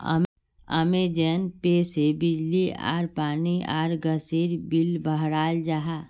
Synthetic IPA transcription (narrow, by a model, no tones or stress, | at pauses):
ə̰m | ə̰med͡ʒənpeːsebɪd͡ʒlia̰ːɾpaːnia̰ːɾɡəseɾbilbəɦɾaːld͡ʒaɦa